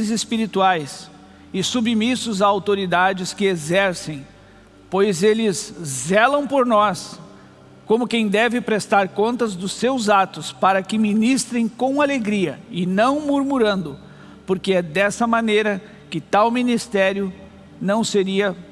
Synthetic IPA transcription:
zɪspiɾit̪uajs | ɪsubmisʊzaawt̪oɾid̪ad͡ʒɪskɪezɛɾsẽj̃ | pojzelɪzzɛlɐ̃w̃poɾnɔs | kõmʊkẽj̃d̪ɛvɪpɾest̪aɾkõnt̪ɐzd̪ʊsːewzat̪ʊspaɾɐkɪminist̪ɾẽj̃kõw̃aleɡɾiɐɪnɐ̃w̃muɾmuɾɐ̃nd̪ʊ | poɾkɪɛd̪ɛsɐmɐ̃nejɾɐ | kɪt̪awminist̪ɛɾjʊ | nɐ̃w̃seɾiɐ

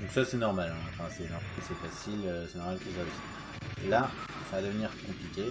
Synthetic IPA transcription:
d̪ɔ̃ŋksasɛnɔʁmalɛ̃ɑ̃fɛ̃sɛnɔ̃kasɛfasiløsɛnɔʁmalkəsaosi̥ | ḛla | savad̪əvəniʁkɔ̃plikʲe

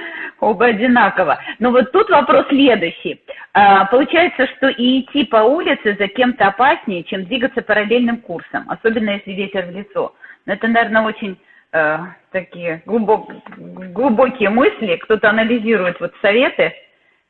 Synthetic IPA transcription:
o̞bəɐdʲɪnakəvənovo̞t̪ːut̪vɐpɾo̞sːʲlʲe̞d̪ʊɕːɪjəpəlˠʊt͡ɕæjɪt̪səʂt̪o̞ʔɪːtʲːipɐulʲɪt̪sɨzɐkʲe̞mt̪əɐpasʲnʲɪjɪt͡ɕe̞md̪vʲiɡət̪səpəɾɐlʲelʲnɨmkursə̰mɐ̰so̞bʲɪnːəjesʲlʲɪvʲetʲɪrvlʲɪt̪so̞̰noɛt̪ənɐvʲernəo̞t͡ɕɪnʲ | ət̪ɐkʲijɪɡlˠʊbo | ɡlˠʊbo̞kʲɪjəmɨsʲlʲɪkt̪o̞t̪əɐnəlʲɪzʲiɾʊjɪt̪vot̪sɐvʲe̞t̪ɨ

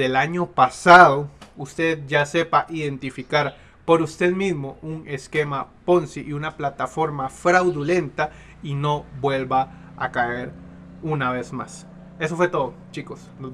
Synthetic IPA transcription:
elaɲo̞pasaðoust̪e̞ðd͡ʒase̞paʔiðe̞nt̪ifikaɾ | po̞ɾust̪e̞ðmizmo̞une̞ske̞mapo̞nsiʔiunaplat̪afo̞ɾmafɾawðulẽ̞nt̪a | ino̞bwe̞lba | a̰kaeɾ | unaβe̞zma̰s | e̞s̬ofwe̞t̪o̞ðot͡ʃikosno

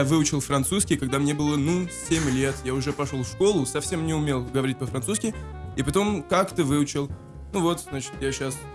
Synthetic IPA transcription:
avɨʊt͡ɕɪlˠfɾɐnt̪suskʲɪjkɐɡ̚d̪amnʲe̞bɨlˠənusʲemʲlʲe̞t̪jaʊʐɛpɐʂlolˠfʂko̞lˠʊsɐfsʲe̞mnʲɪʊmʲe̞lˠɡəvɐɾʲit̚ʲpəfɾɐnt̪suskʲɪ | ɪpɐt̪o̞mkakt̪əvɨʊt͡ɕɪlˠ | nuvo̞t̪znat͡ɕɪ̥t̪jaɕas

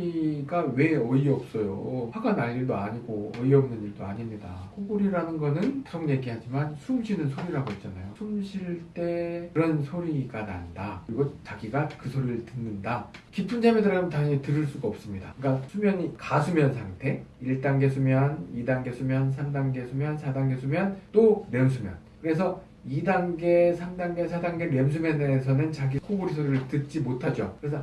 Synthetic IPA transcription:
iɡawe̞ʌiʌp̚s͈ʌjo̰haɡanaɭːiɭdoaɲiɡoʌiʌmnɯniɭdoaɲimɲida̰kʰoɡuɾiɾanɯnɡʌnɯnkɯsʰʌŋɲe̞ɡihad͡ʑimansʰumɕʰinɯnsʰoɾiɾaɡoit̚t͡ɕ͈anajosʰumɕʰiɭt͈e̞kɯɾʌnsʰoɾiɡana̰ndakɯɾiɡot͡ɕaɡiɡakɯsʰoɾiɭtɯnːɯndakipʰund͡ʑamedɯɾɡamntaŋɯɲitɯɾɯɭs͈uɡaʌp̚s͈ɯmɲida̰ɯk͈asʰumjʌɲikasʰumjʌnsʰaŋtʰe̞iɭt͈aŋɡe̞sʰumjʌnidaŋɡe̞sʰumjʌns̬ʰamdaŋɡe̞sʰumjʌnsʰadaŋɡe̞sʰumjʌnt͈omjʌms̬ʰumjʌn | kɯɾe̞sʰʌ | idaŋɡe̞sʰamdaŋɡe̞sʰadaŋɡe̞mjʌms̬ʰumjʌnes̬ʰʌnɯnt͡ɕaɡikʰoɡoɾisʰoɾiɯɭtɯt̚t͡ɕ͈imotʰad͡ʑokɯɾe̞sʰʌ

